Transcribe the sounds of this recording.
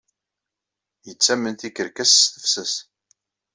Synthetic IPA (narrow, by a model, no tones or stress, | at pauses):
jət͡sːæmənθikəɾkæsːθəfsəs